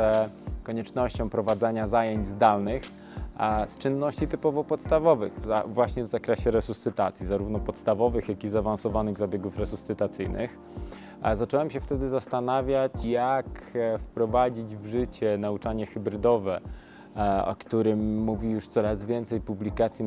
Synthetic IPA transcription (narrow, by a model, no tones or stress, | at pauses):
ɛkɔɲɛt͡ʂnɔɕt͡ɕɔ̃w̃pɾɔvad̪zaɲazajeɲd͡ʑzd̪alnɘx | st͡ʂɘnːɔɕt͡ɕit̪ɘpɔvɔpɔt̪st̪avɔvɘxavwaɕɲɛvzakɾɛɕɛɾɛsusːɘt̪at̪sʲjizaɾuvn̪ɔpɔt̪st̪avɔvɘxjakizaːvansɔvanɘɣzabʲjɛɡufɾɛsusːɘt̪at̪sɘjnɘ̰x | zat͡ʂɛwɛmɕɛft̪ɛd̪ɘzast̪anavʲjat͡ɕjakfpɾɔvad͡ʑid͡ʑvʐɘt͡ɕɛnaut͡ʂaɲɛxɘbɾɘd̪ɔvɛ | ɔ̰kt̪uɾɘmːuvʲijuʂt̪sɔɾazvʲjɛnt̪sɛjpublʲikat̪sʲji